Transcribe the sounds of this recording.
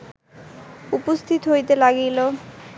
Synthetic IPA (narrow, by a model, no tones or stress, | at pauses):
upost̪ʰit̪oɦojt̪elaɡilo